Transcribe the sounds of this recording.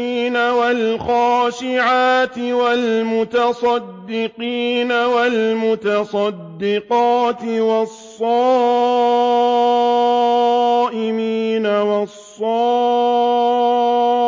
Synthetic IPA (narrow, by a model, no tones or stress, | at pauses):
iːnawalxaːʃɪʕaːt̪ɪwalmʊt̪ɑsˤɑd̪ːɪqiːnawalmʊt̪ɑsˤɑd̪ːɪqɑːt̪ɪwɑsˤːɑː | ʔɪmiːnawɑsˤːɑː